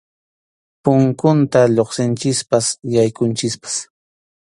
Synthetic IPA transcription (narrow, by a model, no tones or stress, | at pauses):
pʊŋkʊnt̪aʎoχsɪnt͡ʃɪspasjajkʊnt͡ʃɪkpḁs